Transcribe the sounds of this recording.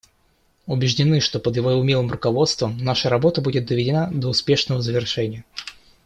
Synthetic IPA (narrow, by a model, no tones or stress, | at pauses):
ʊbʲɪʐdʲɪnɨʂt̪o̞pəd̪jɪvoʊmʲilˠɨmrʊkɐvo̞t̪st̪vəmnaʂəɾɐbo̞t̪əbudʲɪt̪̚d̪əvʲɪdʲɪnad̪əʊspʲe̞ʂnəvəzəvʲɪrʂɛnʲɪjə